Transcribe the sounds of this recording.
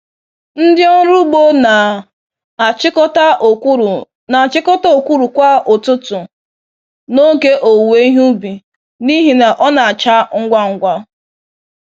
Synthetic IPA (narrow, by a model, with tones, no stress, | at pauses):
n̩˦dɪ˦ɔ˦ɾu˦ɡ͡bo˦na˨˦ | kta˦˨˦ | na˨t͡ʃɪ˦kɔ˦ta˦o˨kʷu˦ɾu˨kʷa˦o˨tʊ˦tʊ˨ | no˦ke˦ʔo˨we˦i˦ɦu˦bi˨ | ni˦ɦi˨na˨ʔɔ˦na˨a˨t͡ʃa˦ŋ̩˦ɡʷa˦ŋ̩˦ɡʷa˦